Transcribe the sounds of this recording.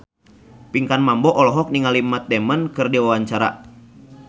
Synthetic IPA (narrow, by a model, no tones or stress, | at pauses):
piŋkanmambɔʔɔlɔɦɔk̚niŋalimat̪̚dɛmənkɨrdiwawaɲt͡ʃaɾa̰